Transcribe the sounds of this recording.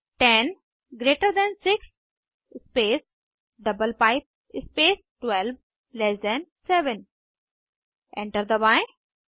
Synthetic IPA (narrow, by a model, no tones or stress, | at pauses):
ʈɛ̃n | ɡɾeːʈəɾd̪ɛ̃nsɪks | speːs | ɖʌbəlpaɪp̚ | ɪspeːsʈwɛlʋ | lɛsd̪ɛ̃nsɛʋə̃n | ʔɛ̃ɳʈəɾd̪əbaɪ